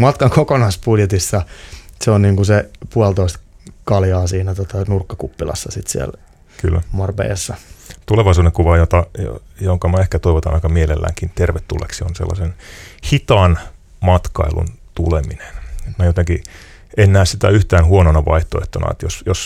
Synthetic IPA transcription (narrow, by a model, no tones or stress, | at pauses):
mɑt̪kɑŋkokonɑspudjet̪isːɑseonniːŋkusepuɑlt̪oist̪kɑljɑːsiːnæt̪ot̪ɑnurkːɑkupːilɑ̰sːɑsit̪sḭɛæ̰l | ky̰lːæmɑrbḛjɑsːɑt̪uleʋɑisuːdeŋkuʋɑjot̪ɑj̰joŋkɑmæehkæt̪oiʋot̪ɑnɑikɑmielelːæ̰ːŋkint̪erʋet̪ːṵlːḛksionsḛlːɑ̰senhit̪ɑːn | mɑt̪kɑ̰ilṵnt̪ulemine̥net̪mæjot̪eŋki | enːæːssit̪æ̰yht̪æːnhuononɑʋɑ̰iht̪oḛht̪ːonɑ̰ḛt̪josjos